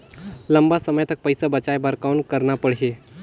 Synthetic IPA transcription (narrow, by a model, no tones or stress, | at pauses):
ləmbasəməjt̪ək̚pəjsabət͡ʃajbəɾkawnkəɾnapəɽ̤ɦe